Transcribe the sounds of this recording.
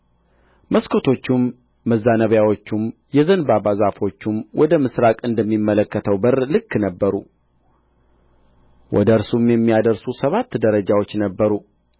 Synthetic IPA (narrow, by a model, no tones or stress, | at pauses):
məskʰo̞t̪ʰo̞t͡ʃːumː | əzːanəβjawo̞t͡ʃːum | jɛzənbabazafo̞t͡ʃːumwʔɔd̪əmɨsɾakʼɨnd̪əmːimːələkːət̪ʰəwbəɾlɨkːnəbːəɾṵ | wʔɔ̰d̪əɨɾsumjɛmːijad̪əɾsusəβat̪ːd̪əɾəd͡ʒawo̞t͡ʃːnəbːəɾu